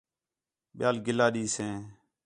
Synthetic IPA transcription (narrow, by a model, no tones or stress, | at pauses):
ɓɪjaːlɡɪlaːɗiːsẽː